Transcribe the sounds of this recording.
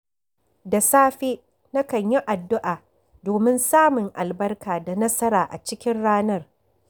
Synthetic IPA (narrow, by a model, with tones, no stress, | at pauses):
da˨saː˦ɸeː˦ | na˦kɐ˨ɲji˦ʔa˨dːʊ˦ʔaː˨ | doː˨mɪ˦nsaː˦mʊ˨ŋʔa˨lbɐ˦rkaː˨da˨nɐ˦sɐ˦ɾaː˨ʔa̰˨t͡ʃɪ˦kʲɪ˦nɽaː˦nɐ˦r